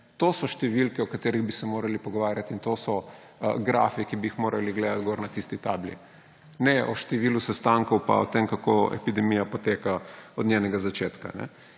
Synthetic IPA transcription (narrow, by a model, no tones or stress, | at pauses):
t̪oːsɔʃt̪ɛʋilkɛɔkat̪eːɾiɣbisɛmoːɾalipɔɡɔʋaːɾjat̪int̪osɔ | ɡɾa̰ːfikibiixmoːɾaliɡleːd̪at̪ɡoɾnat̪ist̪it̪a̰ːblḭ | nɛʔɔʃt̪ɛʋiːlusɛst̪aŋkowpa̰ɔt̪emkakoɛ̰pid̪ɛmijapɔt̪eːkaɔd̪njɛnɛɡazat͡ʃeːt̪ka̰nɛ̰